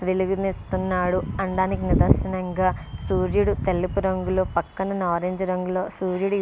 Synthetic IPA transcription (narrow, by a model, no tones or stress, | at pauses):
ʋeluɡunist̪unːaːɽuɐɳɖaːnikinid̪ɐɾʃɐnɐŋɡaːsuːɾjuɽut̪elːipuɾɐŋɡulo̞ːpɐkːɐnɐnaːɾeːɲd͡ʒɐɾɐŋɡulo̞ːsuːɾjuɽu